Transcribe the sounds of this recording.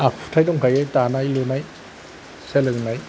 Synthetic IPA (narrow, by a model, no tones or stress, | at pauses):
ak̚pʰu̥tʰajdɔŋkʰajajtanajlunaj | selɯŋnaj